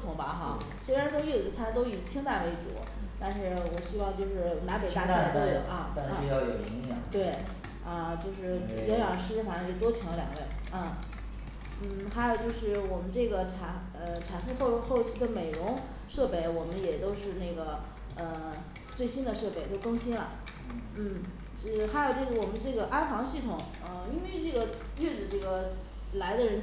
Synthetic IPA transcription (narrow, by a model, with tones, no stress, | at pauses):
t̪ʰʊ˧˥ŋbɐ˧xɑ˥˧ | swe˥ɪɻa˧˥nʂy˥˩˨d̪ə˧˥t͡sʰa˧˥t̪o˥ʊi˨˩t͡ɕʰi˥ŋt̪a˥˩ʋe˧˥˩ɪʈ͡ʂṵ˨˩˦ | t̪a˥˧nʂɻ̩˥˩wɔ˨˩ɕy˥wɑ˥˧ŋt͡ɕjo˥˧ʊʂɻ̩˥˩na˧˥pe˨˩ɪt̪a˥˧˥a˥˨˩ɐ˥˧˥i˨˩t͡ɕɑ˥˩ʊjo˨˩ʊ˧˥jɑ̰˨˩t̪we˥˩ɪ | ɐ˥˧t͡ɕjo˥˧ʊʂɻ̩˥˩ɥɛ˧˥ɥɑ˨˩ʂɻ̩˥fa˨˩ʂɤ˥ŋjɛ˧˩t̪wɔ˥t͡ɕʰi˧˥ŋlə˧ljɑ̰˨˩ŋwe˥˩ɪ˥˧ | n̩˥˩xa˧˥jo˨˩ʊt͡ɕjo˥˧ʊʂɻ̩˥˩wɔ˨˩mə˦nʈ͡ʂɤ˥˩ɡə˩ʈ͡ʂʰa˧˩ɪ | ə˧ʈ͡ʂʰa˧˥ɪfu˥˧xo˥˧xo˥˧ʊt͡ɕʰy˥˩d̪ə˨me˨˩ɪɻʊ˧˥ŋ | ʂɤ˥˧pe˥˩ɪwɔ˨˩mə˦njɛ˨˩t̪o˥ʊʂɻ̩˥˧ne˥˩ɡə˩ | ə˧˩ | t͡swe˥˩ɪɕi˥nd̪ə˨ʂɤ˥˧pe˥˩ɪt̪o˥ʊkɤ˥ŋɕi˥nɐ̰˨˩ | n̩˥˩˥ | xa˧˥jo˨˩ʊʈ͡ʂɤ˥˩ɡə˩wɔ˨˩mə˦nʈ͡ʂɤ˥˩ɡə˩ʔa˥nfɑ˧˥ŋɕi˥˩t̪ʰʊ˨˩˦ŋ | ə˥˧i˥nwe˥˧ɪʈ͡ʂɤ˥˩ɡə˩ | ɥɛ˥˩d͡zɹ̩˨˩ʈ͡ʂɤ˥˩ɡə˩ | la˧˥ɪd̪ə˧ɻə˧˥n